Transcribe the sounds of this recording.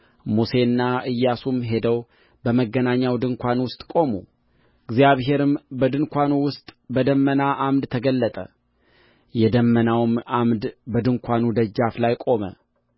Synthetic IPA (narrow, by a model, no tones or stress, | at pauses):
muse̞nːaʔɨjːasumɦe̞d̪əw | bəməɡːənaɲːawd̪ɨŋkʷanwʊst̪ʼkʼo̞mu | ɨɡzijaβɦe̞ɾɨmbəd̪ɨnkʷanuwʊst̪ʼbəd̪əmːənaʔamd̪t̪ʰəɡəlːət̪ʼə̰ | jɛd̪əmːənawɨmamd̪bəd̪ɨŋkʷʰanud̪əd͡ʒːaflajkʼo̞mə̰